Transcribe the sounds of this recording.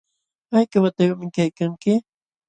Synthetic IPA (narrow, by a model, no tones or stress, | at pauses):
ajkawat̪awaʔmɪŋkajkaŋkɪ